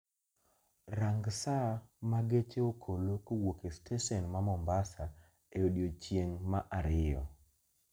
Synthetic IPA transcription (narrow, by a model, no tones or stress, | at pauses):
ɾaŋɡsamaɡet͡ʃeokʰolokowokestʰeʃɔnmamɔmbasa | eodjot͡ʃjeŋmaʔaɾɪjɔ̰